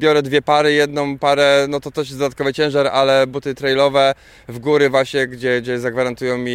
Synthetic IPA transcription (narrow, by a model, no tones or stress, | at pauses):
bʲjɔɾɛd̪vʲjɛpaɾɘjɛd̪nɔ̃w̃paɾɛnɔt̪ɔt̪ɛʂ̬jɛsd̪ɔd̪at̪kɔvɨt͡ɕɛ̃w̃ʐaɾalɛbut̪ɘt̪ɾɛjlɔvɛ | vɡuɾɘvwaɕɲɛɡd͡ʑɛɡd͡ʑɛzaɡvaɾant̪ujɔ̃w̃mʲi